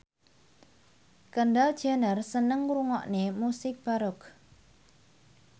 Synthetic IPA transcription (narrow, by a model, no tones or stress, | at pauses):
kəɳɖald̥ʒ̥a̤nərsənəŋruŋɔʔnemusɪk̚b̥aɾʊk